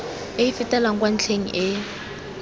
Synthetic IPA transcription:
ɪifɪtɛlaŋ̩kwan̩t͡ɬʰeŋ̩ʔɪ

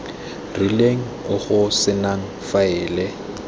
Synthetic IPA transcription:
rileŋ̩ʊχʊsɪnaŋ̩faɪːlɛ

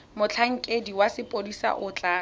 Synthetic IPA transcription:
mʊt͡ɬʰaŋ̩kʼediwasɪpʼodisa̰ʔʊt͡ɬʼaː

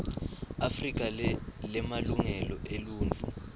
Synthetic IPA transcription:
afrik̬ʼalɛmaluŋɛlɔʔeluːnt͡fu

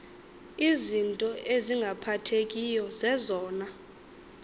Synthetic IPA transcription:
izintʼɔʔeziŋɡʱapʰatʰekʼijɔzɛzɔːna

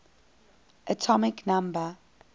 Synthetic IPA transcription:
ʔətʰɔmɪknãmbə

